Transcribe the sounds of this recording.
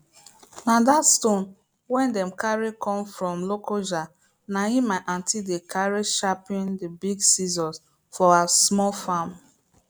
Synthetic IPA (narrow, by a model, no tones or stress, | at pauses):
nadatstõn | wɛ̃ndɛ̃mkaɹikʰɔ̃mfɹɔ̃mlokoʒa | naĩmaʔãntʰidekʰaɹiʃapĩndibiɡsizɔ̃ns | fɔasmɔlfãm